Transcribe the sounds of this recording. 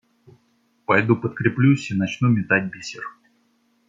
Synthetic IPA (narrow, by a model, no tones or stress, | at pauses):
pɐjd̪upət̪̚kɾʲɪplʲusʲinɐt͡ɕnumʲɪt̪at̚ʲbʲisʲɪr